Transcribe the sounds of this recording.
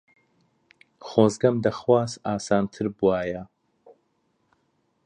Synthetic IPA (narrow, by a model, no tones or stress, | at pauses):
χoːzɡɐmd̪ɐχwaːsaːsaːnt̪ʰɨɾbuwaːjɐ